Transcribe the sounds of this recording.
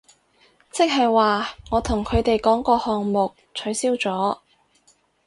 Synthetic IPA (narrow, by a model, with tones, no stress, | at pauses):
t͡sɪ˥k̚ɦɐ˨jwaː˨ŋɔː˨˧t̪ʰʊ˨˩ŋkʰɵ˨˧t̪e˨jkɔː˨˥ŋkɔː˧hɔː˨ŋmʊ˨k̚t͡ʃʰɵ˨˥ɥsiː˥wt͡sɔː˨˥